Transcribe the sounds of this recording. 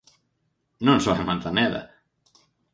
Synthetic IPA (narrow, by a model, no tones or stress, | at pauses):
nõnsoemãnt̪anɛðɐ̰